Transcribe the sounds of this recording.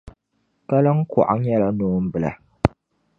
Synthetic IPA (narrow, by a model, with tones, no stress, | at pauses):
ka˦lɨ˦ŋ̩˦kɔ̰˨ʔa˦ŋ̩˦jɛ˦la˦noː˦m̩˦bɨ˦la̰˨